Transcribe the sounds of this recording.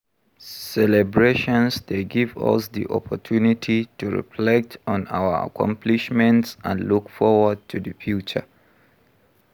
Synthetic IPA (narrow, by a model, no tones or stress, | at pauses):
sɛlɛbɹeʃɔ̃nsdeɡivʌ̰sðḭʔɔ̰pʰɔtʰunitʰituɹḭflɛk̚tʰɔ̃naʊəa̰kʰɔ̰̃mpʰliʃmɛ̃ntsʔə̃nlukfɔwəd̚tʰuðəfjut͡ʃə̰